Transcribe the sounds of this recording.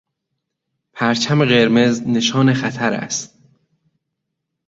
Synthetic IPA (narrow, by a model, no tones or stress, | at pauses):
pʰæɾt͡ʃʰæme̞ɣe̞ɾmezne̞ʃɒːne̞xæt̪ʰæɾæ̰st̪̚